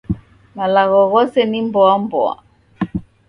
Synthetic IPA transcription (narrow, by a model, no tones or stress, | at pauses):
malaɣɔɣɔsɛnimbɔambɔa̰